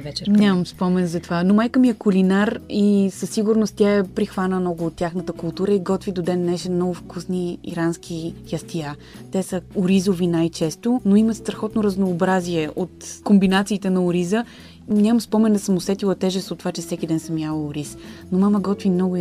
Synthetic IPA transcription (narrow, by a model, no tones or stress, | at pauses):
vɛt͡ʃɛnʲamɐmspɔmɛnzɐt̪ovanomajkəmiɛkʊlinaɾisəsːiɡʊɾnost̪t̪ʲjaɛpɾixvanəmnɔɡʊːt̪ʲːjaxnət̪əkʊlˠt̪uɾəiɡɔt̪vid̪od̪ɛnːɛʃɛmnɔɡʊfkusnḭːɾansk̟ʰijɐst̪ija | t̪ɛsəoɾizovinajt͡ʃɛst̪onoimət̪st̪ɾɐxɔt̪noɾəznoːbɾaziɛʔot̪kombinat̪siːt̪ɛnɐʊɾizə | nʲamɐmspɔmɛnd̪ɐsəmʊsɛt̪ilˠɐt̪ɛʒɛst̪ot̪ovat͡ʃɛsɛkʲid̪ɛnsəmjalˠəʊɾisnomaməɡɔt̪vimnɔɡʊ